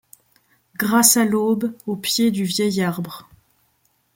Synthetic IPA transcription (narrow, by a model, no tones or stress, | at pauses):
ɡʁasalobopjed̪yvjɛjaʁbʁ